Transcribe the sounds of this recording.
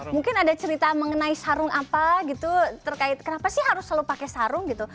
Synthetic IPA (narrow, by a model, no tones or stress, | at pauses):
muŋkɪnadat͡ʃəɾit̪aməŋənaisaɾʊŋapaɡit̪ut̪ərkaɪt̪̚kənapasɪhɦaɾʊslalupakɛsaɾʊŋɡit̪u